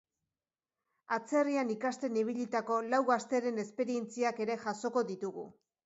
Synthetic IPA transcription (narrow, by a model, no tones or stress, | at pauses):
at͡se̞rianikast̪e̞niβ̞iʎit̪ako̞lawɣast̪e̞ɾe̞ne̞spe̞ɾie̞nt͡siake̞ɾe̞ʝaso̞ko̞ðit̪uɣṵ